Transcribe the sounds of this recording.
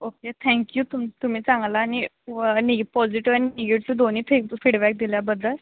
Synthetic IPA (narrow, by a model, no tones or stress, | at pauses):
oket̪ʰɛ̃ŋkjuːt̪umt̪um̤iːt͡sãŋɡlaːñi | niɡpɔd͡ʑiʈiʋañiniɡeʈt͡sud̪oniːpʰekfiɽbɛk̚d̪iljabəd̪ʱːəl